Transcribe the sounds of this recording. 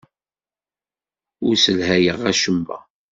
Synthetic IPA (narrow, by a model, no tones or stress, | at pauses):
ʊɾsəlɦæjəʁæʃəmːæ̰